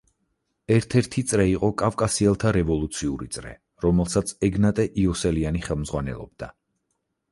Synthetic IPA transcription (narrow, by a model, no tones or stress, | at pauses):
ɛɾt̪ʰɛɾt̪ʰit̪sʼɾɛiqʼɔkʼavkʼasiɛlˠt̪ʰaɾɛvɔlˠut̪sʰiuɾḭt̪sʼɾɛ̰ | ɾɔmɛlˠsat̪sʰɛɡnat̪ʼɛʔiɔsɛlianiχɛlˠmzʁwanɛ̰lˠɔ̰b̚d̪̥a̰